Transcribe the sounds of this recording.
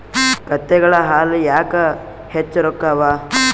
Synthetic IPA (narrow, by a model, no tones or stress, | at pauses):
kɐt̪ːɛɡɐɭɐɦaːlujaːkɐ | het͡ʃːɐɾokːaʋaː